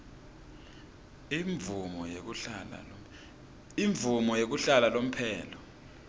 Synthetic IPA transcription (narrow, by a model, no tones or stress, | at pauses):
ɱvumɔ | iɱvumɔjek̬uɬalalom̩pʰɛːlɔ